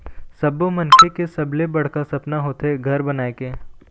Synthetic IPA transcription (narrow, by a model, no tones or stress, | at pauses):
sɐbomɐnkʰekesɐblebɐɽ̤kasɐpnaɦoːt̪eɡʱɐɾbɐnaːekeː